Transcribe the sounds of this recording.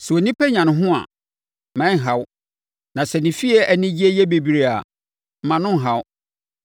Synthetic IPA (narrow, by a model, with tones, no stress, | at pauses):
sɛ˨o˨nĩ˦pʰæ˦ɲã˨nʊ̃˨ɦʊ̃˦a̰˨ | mɛ̃˦˨ɦa˦w | nã˨sɛ˨nɪ̃˨fi˦ɛ˨ʔæ˨nɪ̃˦d͡ʑi˦ɛ˦jɛ˦be˨bi˨ɾe˦a̰˨ | m̩˨mã˨nʊ̃˦ŋ̩˨ɦa˦w